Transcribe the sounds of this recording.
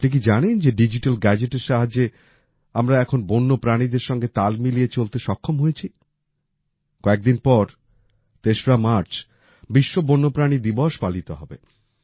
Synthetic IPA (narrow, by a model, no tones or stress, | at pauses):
nik̬id͡ʑanend͡ʑeɖid͡ʑiʈalɡɛd͡ʑeʈeɾʃaɦad͡ʑe | amɾaɛkʰonbonːopɾanid̪eɾʃɔŋɡet̪almiliet͡ɕolt̪eʃɔkʰːomɦojet͡ɕʰi | kɔek̚d̪inpɔɾ | t̪eʃoɾamaɾt͡ɕ | biʃːobonːopɾanid̪ibɔʃpalit̪oɦɔbe